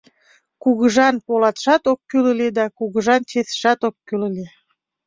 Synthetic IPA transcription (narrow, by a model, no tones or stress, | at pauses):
kuɣəʒɑnpolɑt̪ʃɑt̪okːyləled̪ɑkuɣəʒɑnt͡ɕeθʃɑt̪okːylə̆le